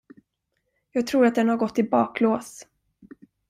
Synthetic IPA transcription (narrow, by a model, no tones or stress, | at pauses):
jɑːɡ̚t̪ʰɾuːɾat̪̚d̪ɛnhaɾɡɔt̪ːɪbɑːkloːs